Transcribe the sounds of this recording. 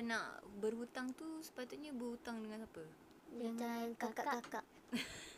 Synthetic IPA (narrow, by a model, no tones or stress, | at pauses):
na̰ʔbərɦut̪aŋt̪usə̥pat̪ut̪̚ɲabəhut̪aŋdəŋansapə | jaŋkakaʔakakaʔ